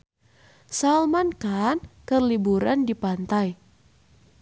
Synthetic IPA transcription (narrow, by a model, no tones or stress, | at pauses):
salmankankərlibuɾandipant̪aj